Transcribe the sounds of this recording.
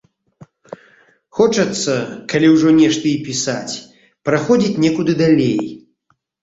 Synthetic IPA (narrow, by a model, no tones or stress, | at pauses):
xɔt͡ʂɐt̪sːɐkalʲiwʐɔnʲɛʂt̪ɨipʲisat͡sʲ | pɾaxɔd͡zʲit͡sʲnʲɛkud̪ɨd̪alʲej